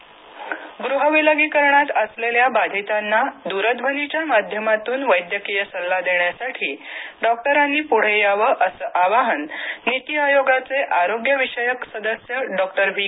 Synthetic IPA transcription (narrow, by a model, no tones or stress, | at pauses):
ɡɾuɦəʋiləɡikəɾɳat̪əsleljabad̪ʱit̪anːad̪uɾəd̪bʱənit͡ɕjamad̪ʱjəmat̪uːnʋəjd̪jəkijəsəlːad̪eɳjasaʈʰiːɖɔk̚ʈəɾanːiːpuɽ̤ejaʋəʔəsəʔaʋaɦənːit̪iajoɡat͡seʔaɾoɡjəʋiʂəjəksəd̪əsjəɖɔkʈəɾʋʱi